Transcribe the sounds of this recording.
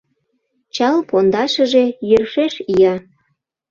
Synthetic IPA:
t͡ɕɑlpond̪ɑʃəʒejørʃeʃijɑ

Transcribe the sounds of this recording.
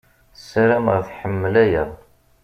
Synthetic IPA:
saɾamʁəθħəmːlæjəʁˤ

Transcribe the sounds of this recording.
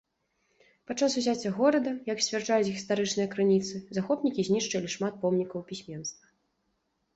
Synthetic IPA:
pat͡ʂasuzʲat͡sʲːɐɣɔɾɐd̪ɐjɐksʲvʲart͡ʂajʲut͡sʲɣɣʲist̪aɾɨt͡ʂnɨjɐkɾɨnʲit̪sɨzaxɔpnʲikʲizʲnʲiʂt͡ʂɐlʲiʂmat̪̚pɔmnʲikɐwpʲisʲmʲɛnst̪vɐ

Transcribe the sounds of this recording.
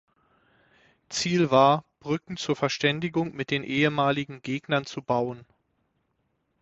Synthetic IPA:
t͡siːlvaːɐb̥ʁʏkŋ̩t͡suːɐfɛɐʃtɛndɪɡʊŋmɪt̚d̥eːnʔeːəmaːlɪɡŋ̩ɡeːɡnɐnt͡subaʊən

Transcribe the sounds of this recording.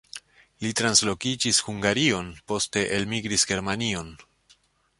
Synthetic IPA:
litɾanslo̞kid͡ʒishuŋɡaɾio̞npo̞ste̞ʔelmiɡɾisɡe̞ɾmanio̞n

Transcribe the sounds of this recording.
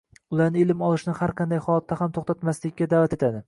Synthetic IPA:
ʊlˠaɾnɪɪlɪmɒlˠɪʃnɪhaɾqʰɑnd̪ajhɒlˠat̪ʰːahamt̪ʰoχt̪at̪maslɪkʲːad̪avat̪e̞t̪ʰad̪ɪ

